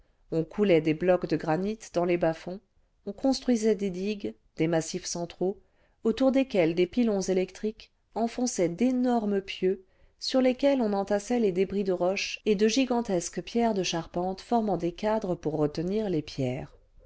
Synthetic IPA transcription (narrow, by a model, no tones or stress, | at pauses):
ɔ̃kʰulɛd̪eblɔkd̪əɡʁanit̪d̪ɑ̃lebafɔ̃ | ɔ̃kɔ̃st̪χɥizɛd̪ed̪iɡ | d̪emasifsɑ̃t̪χo | ot̪uʁd̪ekʲɛld̪epilɔ̃zelɛkt̪χik | ɑ̃fɔ̃sɛd̪enɔʁməpjø | syʁlekʲɛlɔ̃nɑ̃t̪asɛled̪ebʁid̪əʁɔʃed̪əʒiɡɑ̃t̪ɛskpjɛʁd̪əʃaʁpɑ̃t̪fɔʁmɑ̃d̪ekad̪ʁəpuʁːət̪əniʁlepjɛːʁ